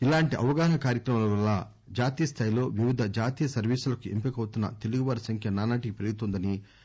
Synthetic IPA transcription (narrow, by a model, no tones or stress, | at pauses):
ilaːɳʈiʔɐʋɐɡaːɦɐkaːɾjɐkɾɐmɐlɐʋɐlːaː | d͡ʒaːt̪iːjɐst̪ʰaːjlo̞ːʋiʋid̪ʱɐd͡ʒaːt̪iːjɐsɐɾʋiːsulɐkuempikɐwut̪unːɐ̰t̪e̞luɡuʋɐɾɐsɐŋkʰjɐnaːnaːʈikipɾɐjut̪ond̪ɐni